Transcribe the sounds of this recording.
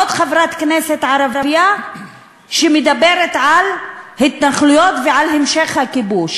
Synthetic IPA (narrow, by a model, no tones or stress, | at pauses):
ot̪χavɾat̪kneset̪ʕaɾavɾaja | ʃemed̪abeɾet̪ʕalhit̪naχlujot̪veʕalhemʃeχhakibuʃ